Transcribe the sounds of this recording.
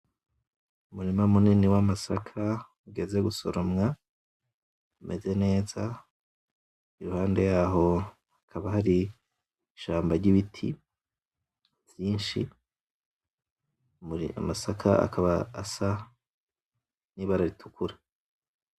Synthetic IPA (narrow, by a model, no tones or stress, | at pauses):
umuɾimamuniniwamasakʰa | uɡe̞ze̞ɡuso̞̰ɾo̞mŋa | umʔe̞ze̞ne̞ːza | iɾuhaːnde̞jaːɦo̞ | akʰaβahaɾi | ʃaːmbaɾɟiβitʰḭ | v̥jiːnʃi | muḭa̰masakʰa̰a̰kʰaβaːsa | niːβaɾaɾitʰukʰuɾa